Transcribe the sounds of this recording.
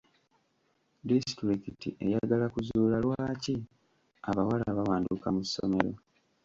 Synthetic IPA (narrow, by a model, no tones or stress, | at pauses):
distɾikitḭʔe̞jaɡalakuzuːlalwaːci | aβawalaβawaːndukamusːo̰me̞ɾo̞